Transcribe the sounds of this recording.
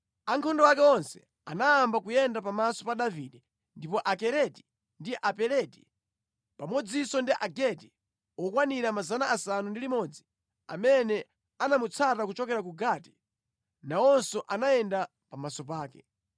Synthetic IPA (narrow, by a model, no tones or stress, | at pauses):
aŋkʰɔndɔwakɛɔnsɛ̥ | anaːmbakujɛndapamasɔ̥paɗaviɗɛ | ndipɔʔakɛɾɛti̥ | ndiʔapɛɾɛti̥ | pamɔd͡zisɔndiʔaɡɛti | ɔkwaniɾamazanaʔasanundilimɔd͡zi | a̰mɛnɛ | anamut͡sʰatakut͡ʃɔkɛɾakuɡati̥ | naɔnsɔʔanajɛnda | pamasɔp̬aːkɛ